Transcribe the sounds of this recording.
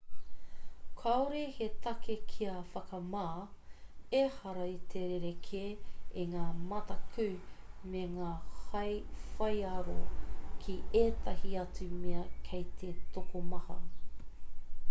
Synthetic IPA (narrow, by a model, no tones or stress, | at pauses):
kʰɐwɾehet̪ɐkekʰiɐfɐkɐmaː | ehɐɾɐit̪ʰeɾeɾekʰeeŋaːmɐtɐkʰʉmeŋaːhɐjfɐjaɾokʰieːt̪ʰɐhiɐt͡sumeɐkʰejt̪ʰet̪okomɐhɐ